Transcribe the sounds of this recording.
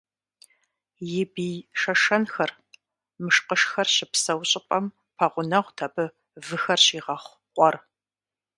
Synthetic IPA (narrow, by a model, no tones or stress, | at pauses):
jɪbijʂɐʂɐnxɐr | mɨʂqəʂxɐrɕɪpsɐwɕʼɪpʼɐm | pʰɐʁʷʊnɐʁʷtʰɐbɨ | vɨxɐrɕiːʁɐχʷ | qʷʼɔr